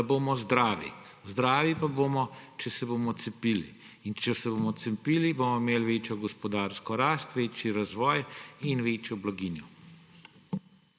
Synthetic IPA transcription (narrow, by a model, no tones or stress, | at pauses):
aboːmɔzd̪ɾaːʋḭ | zd̪ɾaːʋipaboːmɔt͡ʃɛsɛboːmɔt̪sɛpilḭ | int͡ʃɛsɛboːmɔt̪sɛpiːliboːmɔimeːlʋeːt͡ʃjɔɡɔspɔd̪aːɾskɔɾaːst̪ʋeːt͡ʃjiɾazʋɔːjinʋeːt͡ʃjɔblaɡiːnjɔ